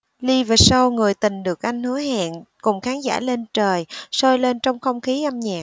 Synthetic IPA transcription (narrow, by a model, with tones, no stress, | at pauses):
li˧və˨˩sə˧wŋɨ˨˩əjt̪ï˨˩ŋ̟ɗɨ˨˩ək̚ʔa˧jŋ̟hɨ̰˧˥əɦa̰ː˧˨nkʊ˨˩ŋ͡mxaː˨˦nza̰ː˧˩le˧nt͡ɕəː˨˩jsɔ˧jle˧nt͡ɕɔ˧wŋ͡mxə˧wŋ͡mxi˨˦ʔa˧mɲa̰ː˨˩